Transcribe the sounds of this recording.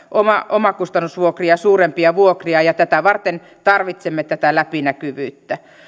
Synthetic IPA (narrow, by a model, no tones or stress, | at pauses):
ʔomɑʔomɑkust̪ɑnːusʋuokriɑsuːrempiɑʋuokriɑjɑt̪æt̪æʋɑrt̪en | t̪ɑrʋit̪semːet̪æt̪ælæpinækyʋyːt̪ːæ